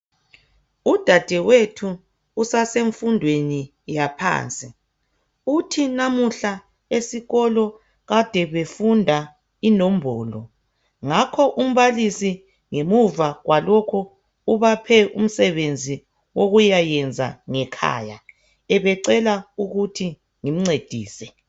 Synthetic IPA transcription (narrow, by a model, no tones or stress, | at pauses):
ud̥ʱad̥ʱɛwetʰuː | saseɱfundʱweni | japʰa̰ːnt͡sʼi | utʰinamuɬa | esiɣɔlɔ | ɣad̥ʱɛβefundʱa | inom̩bʱɔːlɔ̰ | ŋakʰɔʔum̩βalisi | ŋemuvaɣwalokʰuː | βapʰɛʔṵm̩sɛβend͡zʱi | woɣujajɛnd͡zʱa̰ŋɛkʰa̰ːja̰ | ɛβɛǀɛlauɣutʰi | ŋim̩ŋ͡ǀed̥ʱiːsɛ